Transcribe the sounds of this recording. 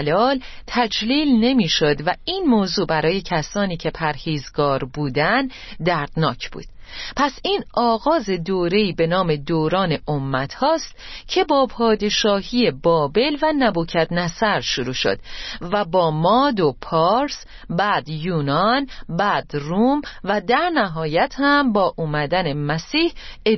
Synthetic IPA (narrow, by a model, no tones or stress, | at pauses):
lɒːlt̪ʰæd͡ʒliːlne̞miːʃo̞d̪væiːnmoːzuːbæɾɒːje̞cʰæsɒːniːcʰe̞pʰæɾhiːzɡɒːɾbuːd̪ænd | d̪æɾd̪̥nɒːcʰb̥ṵːd̪̥ | pʰæsiːnɒːɣɒːze̞d̪oːɾe̞iːbe̞nɒːme̞d̪oːɾɒːne̞ʔomːæt̪ʰhɒːst̪cʰe̞bɒːpʰɒːd̪e̞ʃɒːɦije̞bɒːbe̞lvænæbuːcʰæt̪næsæɾʃuɾuːʃo̞̰d̪̥væbɒːmɒːd̪o̞pʰɒɾs | bæːd̪juːnɒnbæːd̪ruːmvæd̪æɾnæɦɒːjæt̪ʰhæmbɒːʔuːmæd̪æne̞mæsiːhe